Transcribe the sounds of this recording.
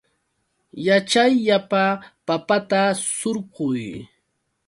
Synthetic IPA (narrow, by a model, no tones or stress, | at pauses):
jat͡ʃajʎapapapat̪asoɾɢʊj